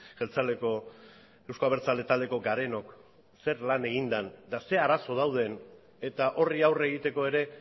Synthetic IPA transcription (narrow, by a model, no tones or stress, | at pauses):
ʝelt͡saleko̞ | e̞wsko̞aβeɾt͡sald̪e̞t̪ald̪e̞ko̞ɡaɾe̞no̞k | se̞ɾlane̞ɣind̪and̪ase̞aɾaso̞ð̞awð̞e̞n | e̞t̪aʔo̞riawre̞ɣit̪e̞ko̞e̞ɾe̞